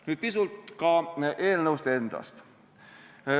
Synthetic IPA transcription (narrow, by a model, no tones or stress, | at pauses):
nyːt̪̚pisult̪kɑʔe̞ːlnɤwst̪ee̞nd̪̥ɑ̰st̪